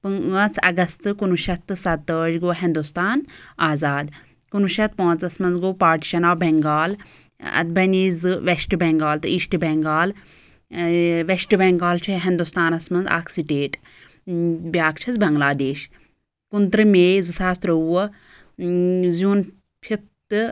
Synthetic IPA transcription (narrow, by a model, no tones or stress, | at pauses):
pɨŋət͡sʰɐ̰ɡɐst̪ɨkunuʃɐt̪ɨsɐt̪ːəːd͡ʒɡoːɦĩnd̪ust̪aːnaːzaːd̪ | kunuʃɐt̪̚põːnt͡sɐsmɐnzɡoːpaːɾʈi̥ʃɐnaːbɛŋɡaːl | ɐ̰t̪̚bɐniːzɨʋesʈbɛŋɡaːlt̪ɨiʃʈɨbɛŋɡaːl | ʋeʃʈbɛŋɡaːlt͡ʃʰuɦĩnd̪ust̪aːnɐsmɐnza̰ːksiʈeːʈ | bʲjaːkt͡ʃʰɐzbɐŋɡlaːd̪eːʃ | kunt̪ɾɨmeːzɨsaːst̪ɾɐuɐ | zjuːn | pʰip̚t̪ɨ